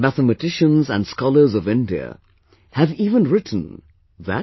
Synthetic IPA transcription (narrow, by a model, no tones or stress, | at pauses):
mæθəmɨtʰɪʃə̃nzə̃nskɑlˠə˞zʌvɪ̃ndiə̰ | hɨviːvə̃nɹɪtʰn̩ | ðæ̰